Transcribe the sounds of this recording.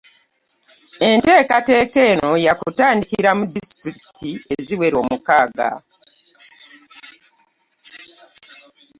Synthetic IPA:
e̞nte̞ːkate̞ːke̞ːno̞jakutaːndikiɾamudistɾiki̥tʰie̞ziwe̞ɾo̞ːmukaːɡa̰

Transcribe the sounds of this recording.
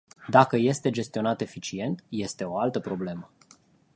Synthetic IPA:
d̪akəje̞st̪e̞d͡ʒe̞st̪io̞nat̪e̞fit͡ʃie̞nt̪je̞st̪e̞o̞alt̪əpɾo̞ble̞mə

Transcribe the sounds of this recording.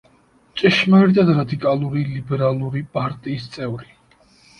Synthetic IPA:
t͡ʃʼiʃmaɾid̪ad̪ɾad̪ikʼalˠuɾilibɛɾalˠuɾipʼaɾt̪ʼiːst̪sʼɛvɾi

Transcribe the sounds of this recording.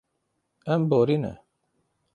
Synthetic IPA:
ɛmboɾinɛ̰

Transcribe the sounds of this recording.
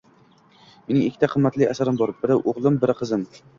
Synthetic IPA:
me̞nɪŋɪkʰʲːɪ̥t̪ʰaqʰɨmːat̪lɪa̰saɾɪmbɒɾbɪɾɪʔoʁlˠɪmbɪɾɪqʰɨzɪm

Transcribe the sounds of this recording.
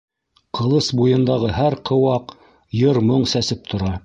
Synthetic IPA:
qɤ̆lˠɤsbujɤ̆nd̪ɑʁɤɦæɾqʰɤ̆wɑq | jɤɾmoɴsæsɘp̚t̪ʰŏɾɑ

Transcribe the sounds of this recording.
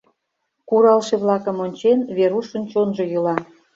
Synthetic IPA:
kuɾɑlʃeβlɑkə̆monʲt͡ɕenβeɾuʃənt͡ɕonʒojulɑ

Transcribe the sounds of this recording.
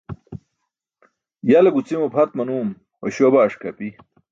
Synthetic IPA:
jalɐɡut͡simopʰɐt̪̚mɐnuːm | wɐɕobaːʂkɐ̰pi

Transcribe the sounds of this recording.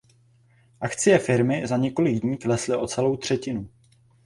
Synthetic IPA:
ʔak̪t͡sɪjɛfɪɾmɪzaɲɛko̞lɪɡdɲiːklɛslɪʔo̞t͡sɛlo̞wt̪r̝̥ɛcɪnu

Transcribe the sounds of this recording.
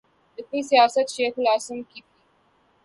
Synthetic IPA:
d̪əkisijaːsɐt̪ʃeːxlaːsɪmkit̪i

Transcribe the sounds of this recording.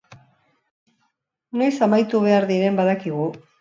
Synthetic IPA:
nojsamajt̪uβ̞e̞aɾðiɾe̞mbaðakiɣ̞u

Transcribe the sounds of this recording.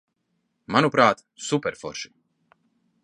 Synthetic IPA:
manupɾaːt̪ | supɛɾfɔ̰ɾʃi̥

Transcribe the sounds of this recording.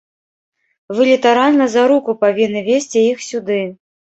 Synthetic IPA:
vɨlʲit̪aɾalʲnɐzaɾukupavʲinːɨvʲesʲt͡sʲiixsʲud̪ɨ

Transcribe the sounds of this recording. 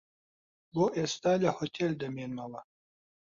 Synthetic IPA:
boʔest̪aːlʲahot̪ʰeld̪ɐmeːnmɐwɐ

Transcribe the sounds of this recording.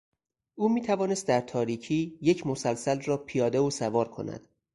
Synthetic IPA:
ʔuːmiːt̪ʰævɒːne̞st̪̚d̪æɾt̪ʰɒːɾiːcʰiːje̞cʰmosælsælrɒːpʰijɒːd̪eosævɒːɾkʰo̞̰næ̰d̪̥

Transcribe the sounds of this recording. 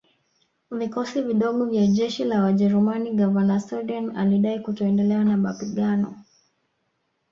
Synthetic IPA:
vikɔsiviɗɔɠɔvjaʄɛʃilawaʄɛɾumaniɡavalasaɗanaliɗaikutɔɛndɛlɛanamapiɠanɔ

